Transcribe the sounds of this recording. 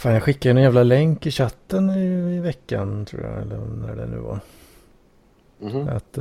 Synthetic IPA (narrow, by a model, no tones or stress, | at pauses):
faːnjaɡɧɪkːad̪ənɛnjævlalɛŋkːɪɕat̪ːənɪɪvɛkːant̪ʰɾṵːja̰ɛ̰lːənæɖɛ̰nʉ̟̰ːva̰ɾ | a̰t̪